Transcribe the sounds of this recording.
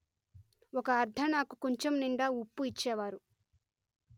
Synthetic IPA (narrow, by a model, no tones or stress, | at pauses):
ɔkɐːɾd̪ʱɐnaːkukoɲt͡ʃomniɳɖaːupːuit͡ʃːɛːʋaːɾu